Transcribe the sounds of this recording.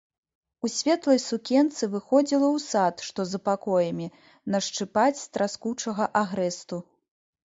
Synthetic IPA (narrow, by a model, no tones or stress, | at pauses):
usʲvʲɛt̪lˠɐjsukʲɛnt̪sɨvɨxɔd͡zʲilˠɐwsat̪ʂt̪ɔzɐpakɔjɐmʲi | nɐʂt͡ʂɨpat͡sʲst̪ɾaskut͡ʂɐɣɐʔaɣɾɛst̪u